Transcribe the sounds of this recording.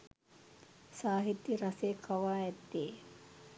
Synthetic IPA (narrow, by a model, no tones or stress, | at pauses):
saːɦit̪ːiɾaseːkʰaʋaːɛt̪ːeː